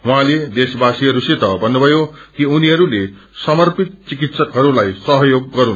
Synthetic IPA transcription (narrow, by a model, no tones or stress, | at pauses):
wɦãled̪esbasiɦʌɾuset̪ʌbʌnːubʱʌjokiuniɦʌɾule | sʌmʌrpit̪̚t͡sikit̪sʌkɦʌɾulajsʌɦʌjoɡ̚ːʌɾun